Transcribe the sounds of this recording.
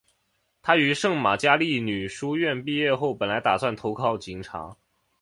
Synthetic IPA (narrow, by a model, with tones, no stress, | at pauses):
t̪ʰa˥y˧˥ʂɤ˥˩ŋma˨˩t͡ɕja˥li˥˩ny˨˩ʂu˥ɥɛ˥˧npi˥˧jɛ˥˧xo˥˩ʊpə˨˩nla˧˥ɪt̪a˨˩swa˥˩nt̪ʰo˧˥ʊkʰɑ˧˥˩ʊt͡ɕi˨˩ŋʈ͡ʂʰa̰˧˥